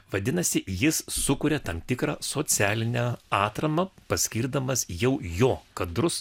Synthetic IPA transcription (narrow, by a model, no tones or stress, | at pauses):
ʋɐd̪ʲɪnɐsʲɪjɪsːʊkʊɾʲɛt̪ɐmt̪ʲɪkɾɑːsoːsʲæːlʲɪnʲɛɑːt̪ɾɐmɐpɐsʲkʲiːɾd̪ɐmɐsjɛʊjoːkɐd̪ɾʊs